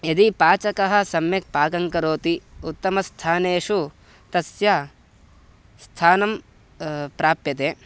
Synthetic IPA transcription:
ɐd̪ipaːt͡ʃɐkɐɦɐ̆sɐmjɐk̚paːɡɐŋkɐɾoːt̪iut̪ːɐmɐst̪ʰaːneːʂu | t̪ɐsjɐ | st̪ʰaːnɐm | pɾaːpjɐt̪eː

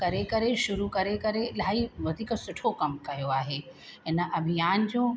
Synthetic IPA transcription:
kɐɾekɐɾeʃʊɾukɐɾekɐɾelaːiʋɐd̪ʱiːksʊʈʰokɐmkɐjoaːɦeːɪnəʔɐbʱɪjaːnd͡ʑõː

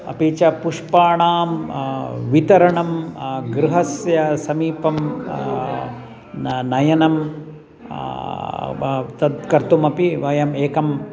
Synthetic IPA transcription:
ɐ̰pit͡ʃɐpuʂpaːɳaːm | ʋit̪ɐɾɐɳɐmɡɾuɦɐsjɐsɐmiːpɐm | nɐjɐnɐm | t̪ɐd̪kɐɾt̪umɐpiʋɐjɐmeːkɐm

